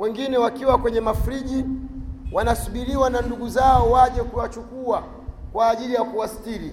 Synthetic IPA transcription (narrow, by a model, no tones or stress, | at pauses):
wɛŋɡinɛwakiwakwɛɲɛmafɾiʄi | wanasuɓiɾiwananduɡuzaɔwaʄɛkuwat͡ʃukua | kwaːʄilijakuwastili